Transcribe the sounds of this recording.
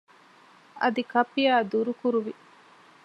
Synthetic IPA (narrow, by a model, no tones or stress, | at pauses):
ʔɐ̰d̪ikɐpːijaːd̪uɾukuɾuʋi